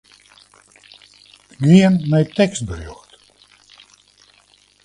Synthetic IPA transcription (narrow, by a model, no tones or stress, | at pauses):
ɡiənmɛjtɛkst̚bruxt